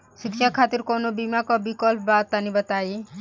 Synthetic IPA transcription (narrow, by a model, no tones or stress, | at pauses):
ʃɪkʃakʰaːt̪iɾkonobimakɔbikɔlpʰbaːt̪ːanĩbət̪aːe